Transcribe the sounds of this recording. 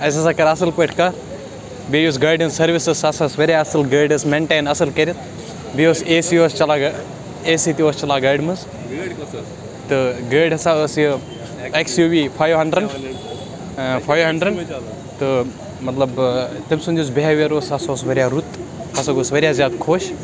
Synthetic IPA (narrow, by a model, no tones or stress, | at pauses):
ɐsɐsaːkɐɾɐsɐlkoʈʰkaːɾ | bijus̬ɡaːɖɐnsɐɾʋisɨsɐsasʋɐɾʲjaɐsɐlɡɐːɖɐsmeɳʈeːnɐsɐlkɐɾit̪ | bioːseːsioːst͡ʃɐlaːɡ | esiːt̪ioːst͡ʃɐlaːɡaːjɖmɐs | t̪ɨɡeːɖɐsaəsjɨ | eksjuːʋiːpʰaːjʋɦɐɳɖɾəɳ | pʰaːjʋɦɐɳɖɾɐɳɖ | t̪ɨ | mɐt̪lɐbt̪ɐmʲsund̪uːs̬beɦaʋiɐɾoːsɐsoːsʋɐɾʲjaɾut̪ɐsoɡoːsʋɐɾʲjaːzjaːd̪kʰoːʃ